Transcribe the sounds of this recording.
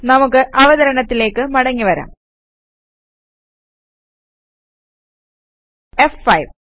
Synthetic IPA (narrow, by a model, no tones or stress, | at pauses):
nɐmukːɨʔɐʋɐðɐɾɐɳɐt̪ːile̞ːkːɨmɐɽɐŋːiʋɐɾa̰ːm | efːɐjʋ